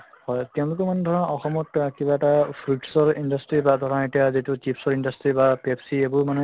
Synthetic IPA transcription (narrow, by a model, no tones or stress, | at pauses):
hɔjtɛ̃ʊ̃lukɔmanɛdʱɔɹɔnɔɔxɔmɔtkibaetapʰɹuʈsɔɹindastɹibadʱɔɹanetiazitut͡ʃipsɔɹindastibapepsiebuɹmanɛ